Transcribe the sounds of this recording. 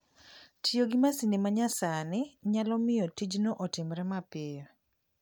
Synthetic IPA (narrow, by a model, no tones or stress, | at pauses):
tjoɡɪmasinimaɲasanɪɲalɔmɪjɔtid͡ʒnoʔɔtɪmɾɛmapɪɔ